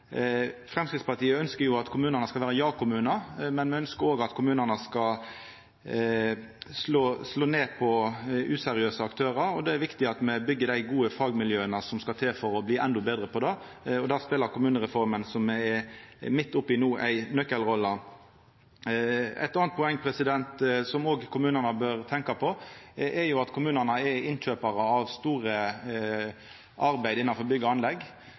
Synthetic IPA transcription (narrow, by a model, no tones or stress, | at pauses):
fʁɛmskʁɪt̪spɑt̪ʰiːəœnskəɾjʊɑt̪kʰʊmʉːnənəskɑlʋæːʁəjɑːkʊmʉːnəmɛnmɛœnskəɾoːɡɑt̪kʰʊmʉːnənəskɑ | sloːsloːneːpʰɔʔʉːsɛɾɪøːsəɑkt̪ʰøːɾəɾɔd̪ɛæɾʋɪkt̪ɪɑt̪mɛbʏɡːəd̪æɪɡuːəfɑːɡmɪljøːənəsɔmskɑt̪ʰeːfɔɾɔbliːʔɛnd̪ɔbeːd̪ʁəpʰɔd̪ɛ | ɔd̪æːspeːləkʰʊmʉːnəɾɛfɔɾmənsɔmɛmɪt̪ːʊpːɪnuːʔæ̰ɪnœkəlʁɔlːə | æ̰ɪt̪ɑːnt̪̚pʰʊɛŋːpʰɾɛsɪd̪ɛnt̪sɔmoːɡkʰʊmʉːnənəbøːɾt̪ʰɛŋkɑpʰɔʔɛɾjʊɑt̪kʰʊmʉːnəʁnəɛɾɪnc͡çøːpɑɾəɑʋst̪uːɾə | ʔɑɾbæɪd̪ɪnːɑnfɔɾbʏɡːəɑnlɛɡː